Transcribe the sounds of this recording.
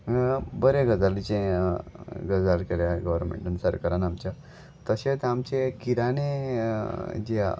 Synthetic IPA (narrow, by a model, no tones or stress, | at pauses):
bəɾeɡəd͡zalit͡ɕẽ | ɡəd͡zalkeɾjaɡəʋəɾmḛ̃ɳʈunsəɾkəɾanamt͡ɕja | t̪əɕet͡samt͡ɕekiɾane | d͡ʑe